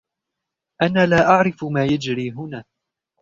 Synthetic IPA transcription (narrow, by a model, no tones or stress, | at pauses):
ʔanaːlaːʔaʕɾɪfmaːjad͡ʒɾiːɦʊnaː